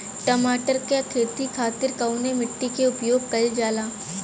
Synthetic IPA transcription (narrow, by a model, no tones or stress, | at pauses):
ʈɐmaːʈəɾkekʰeːt̪ikʰaːt̪ɪɾkɐʊnemɪʈːikeʊpjoːɡ̚kɐld͡ʒaːlaː